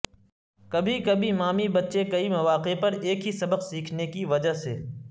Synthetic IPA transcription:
kɐbʱikɐbʱimaːmibɐtːʃekɐimɐʋaːqepɐɾeːkɦisɐbəqsiːkʰnekiʋɐd͡ʒaɦsḛː

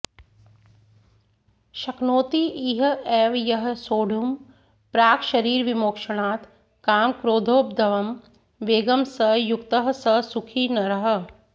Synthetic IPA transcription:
ʃɐknoːt̪iʔiːɦeːʋjɐɦsoːɽ̤ʱum | pɾaːkʃɐɾiːɾʋimoːkʃɐɽ̃aːt̪ | kaːmkɾoːd̪ʱoːp̚d̪ɐʋɐm | ʋeːɡɐmsɐjʊkt̪əɦsɐsʊkʰiːnɐɾɐɦə̆

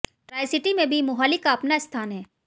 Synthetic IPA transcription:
ʈɾaːɪsɪʈimẽbʱimʊɦaːlikaɐpnaɪst̪ʰaːnɦɛː

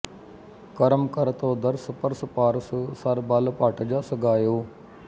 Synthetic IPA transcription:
kəɾəmkəɾt̪õːd̪əɾsəpəɾsəpaːɾssəɾbalpaːʈəd͡ʒaːsəɡaːjoː

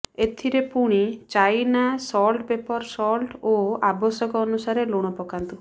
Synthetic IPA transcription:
et̪ʰiɾepuɽ̃it͡ʃajnasɔlʈbepɔɾsɔlʈoabɔsɔkɔːnusaɾeloɽ̃ɔpɔkant̪u

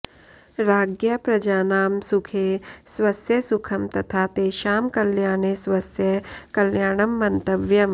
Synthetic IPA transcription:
ɾaːɡjɐpɾɐd͡ʒaːnaːmsʊkʰeːswɐsjɐsʊkʰɐmt̪ɐt̪ʰaːt̪eːʃaːmkɐljaːnesʋɐsjɐkɐljaːɳɐmːɐnt̪ɐʋjɐm

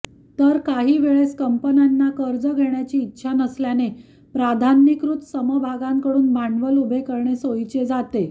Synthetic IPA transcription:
t̪əɾkaɦiːʋeɭeskəmpənanːakəɾd͡zəɡʱeɳjat͡ɕiːtːɕʰanəsljane | pɾad̪ʱanːikɾut̪səməbʱaɡãŋkəɽuːnbʱaɳʋəlubʱekəɾɳesojt͡ɕed͡zat̪e

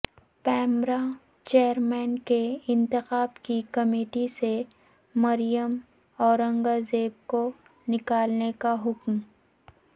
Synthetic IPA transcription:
pɛːmɾa | t͡ʃeːjəɾmɛːnkeɪ̃nt̪ɪxaːbkikɐmeːʈise | mɐɾijəm | ɔːɾə̃ŋɡazeːb̚ko | nɪkaːlnekaɦʊkm

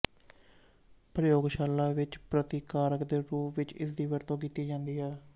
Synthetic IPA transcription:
pɾəjoːɡʃaːlːaːʋɪt͡ʃpɾət̪ɪkaːɾəkd̪eːɾuːpʋɪt͡ʃɪ̰sd̪iːʋəɾt̪õːkiːt̪iːd͡ʒãːnd̪iːɦɛː

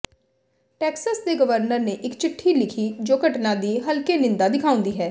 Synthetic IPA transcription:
ʈɛːksəsd̪eːɡəʋəɾnəɾneːʔɪkt͡ʃɪʈʰːiːlɪkʰiːd͡ʒoːkəʈnãːd̪iːɦəlkeːnɪnd̪aːd̪ɪkʰaːʊ̃nd̪iːɦɛː

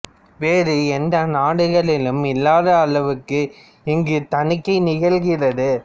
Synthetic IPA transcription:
ʋeːɾɯɛnd̪ɐnaːɽɯɣɐɭɪlɯmɪlːaːðɐːɭɐʋɯkːɯ | ɪŋɡɯt̪ɐɳɪkːɐɪnɪɣɐɭɣɪrɐðɯ

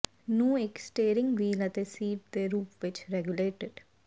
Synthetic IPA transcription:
nũːɪksʈeːɾɪ̃ŋɡʋiːlət̪esiːʈ̚d̪eːɾuːpʋɪt͡ʃɾɛɡjʊleːʈɪɖ

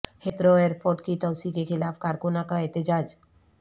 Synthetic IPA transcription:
hʰet̪ɾoeɾpoʈkit̪ɔwsikekʰɪlafkaɾkonakaet̪ed͡ʑad͡ʒ

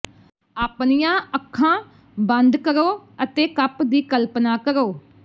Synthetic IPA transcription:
aːpnijãːəkʰːãː | bənd̪kəɾoːət̪eːkəpd̪iːkəlpnaːkəɾoː

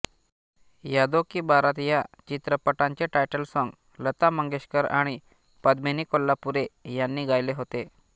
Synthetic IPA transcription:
jad̪okiːbaɾat̪jat͡ɕit̪ɾəpəʈãɲt͡ɕeʈajʈəlsɔ̃ŋɡ | lət̪aməŋɡeɕkəɾa̰ɽ̃i | pəd̪meniːkolːapuɾejanːiːɡajleɦot̪e

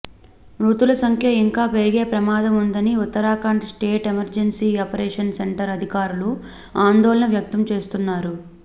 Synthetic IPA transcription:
ɾuːt̪ulɐsɐŋkʰjɐiŋkaːpe̞ɾiɡe̞ːpɾɐmaːd̪ɐmund̪ɐniut̪ːɐɾaːkaːɳʈsʈe̞ːʈemɐɾd͡ʒensiːɐpɐɾɛːʂɐnseɳʈɐɾɐd̪ʱikaːɾulu | aːnd̪ɔːlɐɳɐʋjɐk̚t̪ɐmt͡ʃe̞ːst̪unːaːɾu

